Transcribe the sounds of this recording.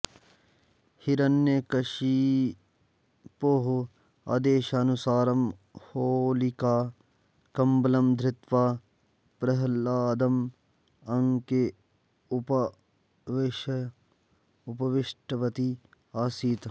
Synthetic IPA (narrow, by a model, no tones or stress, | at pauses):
hiɾɐnːjekɐʃi | poɦo | ɐ̰d̪eːʃaːnusaːɾɐmhoːlikaː | kɐmbɐlɐmd̪ʱɾɪt̪ʋaː | pɾɐɦlaːd̪ɐm | ɐŋke | p | ʋʃ | ʊpɐʋɪʃʈɐʋɐt̪i | aːsiːt̪